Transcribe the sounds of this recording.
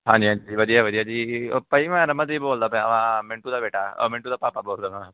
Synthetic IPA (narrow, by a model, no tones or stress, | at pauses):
ɦãːɲd͡ʒiɦãːd͡ʒiʋəd̪ijaʋəd̪ijad͡ʒipəimɛ̃ɾɐmə̃t̪̬iboːld̪apɛ̃ɐʋãmɪ̃ɳʈud̪abeːʈa̰mɪ̃ɳʈud̪apaːpaboːld̪aʋã